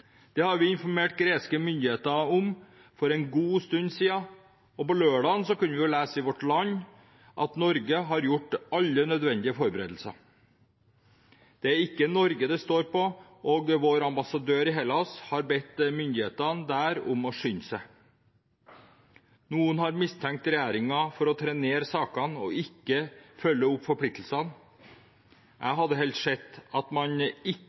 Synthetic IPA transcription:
d̪̥ɛːhɑɾʋɪɪnfɔɾmeːʈɡɾeːskəmʏnd̪ɪheːt̪əʊm | fɔɾɛnɡuːst̪ʉnsiːɑ | ɔpɔløːɖɑnsɔkʉnʋɪjʊlæːsəɪʋɔʈlɑɲː | ʔɑt̪nɔɾɡəɦɑɾjʊʈɑlːənœd̪ʋɛnd̪ɪəfɔɾbəɾeːd̪l̩sə̰ | d̪̥ɛæɾɪkːənɔɾɡəd̪ɛst̪oːɾpɔʔoːɡʋoːɾɑmbɑsɑd̪øːɾɪɦeləɔshɑɾbɛt̪ːmʏnd̪ɪheːt̪ɑnd̪æːɾʊmɔʂʏnsə | nuːənhɑɾmɪst̪ʰɛŋk̚t̪ɾɛjæːɾɪŋɑfɔɾɔt̪ʰɾɛneːɾsɑːkɑnɔ̰ɪkːəfœlːəʊpːfɔɾpʰlɪk̚t̪l̩sɑn | ʔæɪɦɑd̪ːəɦɛlt̪ʂɛt̪ːɑt̪mɑnɪ

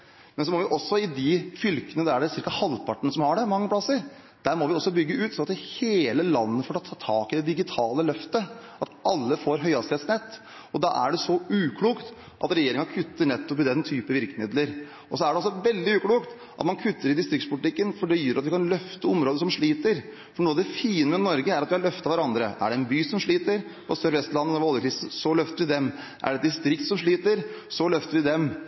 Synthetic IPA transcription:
mɛns̬ɔmɔʋɪʔɔsːɔɪd̪ɪfʏlkənəd̪ææɖɛsɪɾkɑhɑlːpʰɑʈːəɳəsɔmhɑɖɛmɑŋːəpʰlɑsːəɾ | d̪̥æɾmɔʋɪɔsːɔbʏɡːəʉːt̪sɔnɑt̪ɪheːləlɑnːəfɔːʈʰɑt̪ʰɑːt̪ʰɑːkɪd̪ɛd̪ɪɡɪt̪ʰɑːləlœft̪əʔɑt̪ɑlːəfoːɾɦœʏɑst̪eːt̪snɛt̪ː | ɔd̪ɑ̰ːʔæ̰ɖɛsɔʉːkʰluːkt̪ | ʔɑ̰t̪ɾɛjeːɾɪŋɑkʰʉt̪ːəɳɛt̪ːɔp̬ɪd̪ɛnt̪ʰyːpəʋɪɾkəmɪd̪ləɾ | ɔsɔæɖɛɔsːɔʋɛld̪ɪʉːkluːkt̪ | ʔɑt̪mɑnkʰʉt̪ʰːəɾɪd̪ɪst̪ɾɪkt̪spʊlɪt̪ɪkːənfɔɖɛjøːɾɑt̪ʋɪkʰɑnlœft̪əɔmɾoːd̪əsɔmʂɭiːt̪əɾ | fɔɳuːɑʋd̪ɛfiːnəmɛnɔɾɡəæɾɑt̪ʋɪhɑɭœft̪ɑʋæɾɑnd̪ɾə̰ʔæ̰ɖɛɛnbyːsɔmʂɭiːt̪əɾ | ɔsøɾʋɛst̪lɑnːənɛʋɔlːˠəkʰɾɪsn̩sɔlœft̪əɾʋɪd̪ɛm | ʔæ̰ɖɛt̪d̪ɪst̪ɾɪk̚t̪sɔmʂɭiːt̪əɾ | sɔlœft̪əɾʋɪd̪ɛm

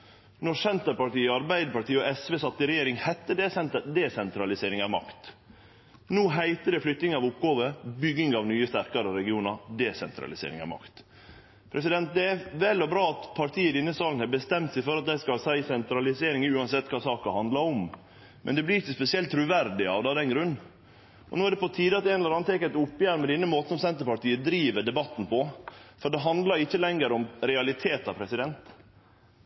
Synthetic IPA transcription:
nɔsɛnt̪əpɑʈiːəɑɾbæɪd̪əpɑʈiːəɔɛsʋeːsɑt̪ːəɪɾɛjeːɾɪŋhæt̪ːəd̪ɛsɛd̪ɛsɛnt̪ɾɑlɪseːɾɪŋɑʋmɑ̰kt̪ | noːɦæɪt̪əɖɛflʏkt̪nɪŋɑʋʊpːɡɑːʋəbʏɡɪŋɑʋnyːəst̪æɾkɑɾəɾɛɡɪuːnɑɾd̪ɛsɛ̰nt̪ɾɑ̰lɪsḛːɾɪ̰ŋɑ̰ʋmɑ̰kt̪ | pʰɾɛsɪd̪ɛnt̪̚d̪ɛæʋɛlːɔbɾɑːɑt̪pʰɑɾʈʰiːəd̪ɪnːəsɑːlnhɛbəst̪ɛmt̪sæɪfɔɾɑt̪̚d̪æskɑlsæɪsɛnt̪ɾɑlɪseːɾɪŋəʉːɑnsɛt̪ːkʰɑːsɑːkɑhɑnd̪lɑɾɔm | mʔɛ̰nd̪ɛblɪɾɪçːəspɛsɪɛlt̪ːʰɾʉːʋæɾɖ̪ɪɑ̰ʋd̪ɑːʋd̪ɛnɡɾʉnː | ʔɔnoːæɾɖ̪ɛpɔt̪ʰiːd̪ɑt̪ɛːnɛləɾɑnːət̪ʰɛkæɪt̪ʊpːjæːɾmɛd̪ɪnːəmoːt̪n̩sɔmsɛnt̪əpɑʈiːəd̪ɾiːʋəɖɛbɑt̪ːn̩pʰɔfɔɖɛɦɑnd̪lɑɾɪçːəlɛŋɡəɾɔmɾɛɑlɪt̪ʰeːt̪ɑpʰɾɛsɪd̪ɛnt̪

